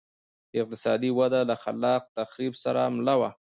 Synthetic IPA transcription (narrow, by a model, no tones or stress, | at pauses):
ɪq̚t̪ɪ̥sɑd̪iwad̪alaxa̰lɑq̚t̪axɾibsaɾa̰mlawa